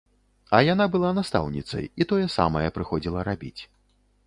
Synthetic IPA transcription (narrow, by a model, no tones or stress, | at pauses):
ɐjanabɨlˠanast̪a̰wnʲit̪sɐ̰jit̪ɔjɐsa̰mɐjɐpɾɨxɔd͡zʲilˠɐɾabʲḭt͡sʲ